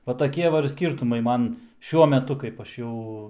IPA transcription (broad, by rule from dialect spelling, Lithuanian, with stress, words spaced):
ʋɐ tɐˈkʲiɛ ʋɐ ɪr ˈsʲkʲiːrtʊmɐɪ ˈmɐn ˈʃʲuɔ mʲɛˈtʊ kɐɪp ˈɐʃ ˈjɛʊ